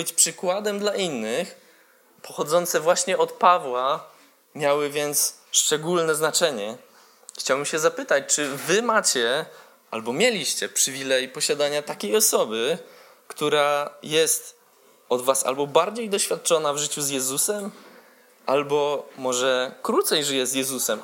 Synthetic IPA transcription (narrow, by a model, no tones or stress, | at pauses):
bɘt͡ɕpʂɘkwad̪ɛmd̪laʔinːɘx | pɔxɔd̪zɔnt̪sɛvwaɕɲɛɔt̪pavwa | mʲjawɘvʲjɛnt̪sʂt͡ʂɛɡulnɛznat͡ʂɛɲɛ | xt͡ɕawbɘmɕɛzapɘt̪at͡ɕt͡ʂɘvɘmat͡ɕɛ | ʔa̰lbɔmʲjɛlʲiɕt͡ɕɛpʂɘvʲilɛjpɔɕad̪aɲat̪akʲejɔsɔbɘ | kt̪uɾajɛst̪ | ɔd̪vasa̰lbɔbaɾd͡ʑejd̪ɔɕfʲjat̪̚t͡ʂɔnavʐɘt͡ɕuzjɛzusɛm | ʔalbɔmɔʐɛkɾut̪sɛjʐɘjɛzjɛzusɛm